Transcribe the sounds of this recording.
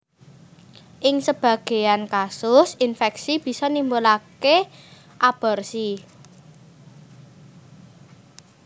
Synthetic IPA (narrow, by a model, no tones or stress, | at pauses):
ʔɪŋsəb̥ä̤ɡ̥e̤jankasʊsinfɛksib̥i̤sɔnimbolake | ʔab̥ə̤rsi